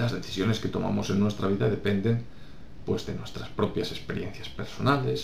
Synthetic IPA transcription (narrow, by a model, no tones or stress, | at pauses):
lazðeθisjo̞ne̞sket̪o̞̰ma̰mo̞se̞nːwe̞st̪ɾaβ̞iðaðe̞pend̪en | pwe̞zðe̞nwe̞st̪ɾaspɾo̞pjase̞speɾjenθjaspe̞ɾso̞nale̞s